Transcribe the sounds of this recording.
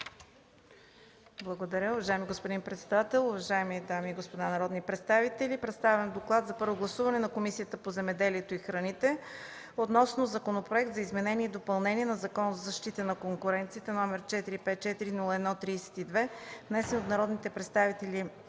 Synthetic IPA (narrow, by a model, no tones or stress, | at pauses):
blˠɐɡod̪ɐɾʲjəʊvɐʒaɛmiɡospod̪inpɾɛt̪sɛd̪at̪ɛlˠʊvɐʒaɛmid̪amiːɡospod̪anɐɾɔd̪nipɾɛt̪st̪avit̪ɛlipɾɛt̪st̪avɛmd̪oklˠat̪zɐpɤɾvoɡlˠɐsuvɐnɛnɐkomisijət̪əpozɛmɛd̪ɛliɛt̪oixɾɐnit̪ɛ | ot̪nɔsnozɐkonopɾoɛk̚t̪zɐizmɛnɛnʲiɛid̪opɐlˠnɛniɛnɐzɐkɔnzɐzɐʃt̪it̪ənɐkoŋkʊɾɛnt̪sit̪ɛnɔmɛɾt͡ʃɛt̪iɾipɛt̪̚t͡ʃɛt̪iɾinulˠəɛd̪nɔt̪ɾiːsɛ̥t̪id̪vɛvnɛsɛnot̪nɐɾɔd̪nit̪ɛpɾɛt̪st̪avit̪ɛlʲi